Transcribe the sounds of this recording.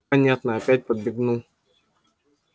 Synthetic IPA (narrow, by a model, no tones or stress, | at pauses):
anʲat̪nəɐpʲæt̚ʲpəd̪̚bʲɪɡnu